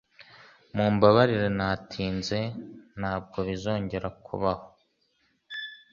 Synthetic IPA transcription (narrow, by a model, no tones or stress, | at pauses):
muːmbaβaɾiɾenaːtʰiːnze̞n̥haːb̚ɡo̞βizo̞ːɲɟe̞ɾakʰṵβaho